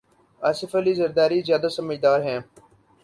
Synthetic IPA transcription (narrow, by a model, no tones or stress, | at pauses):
aːsɪfəliːzəɾd̪aːɾiːzjaːd̪aːsəməd͡ʒd̪aːɾɦɛ̃ː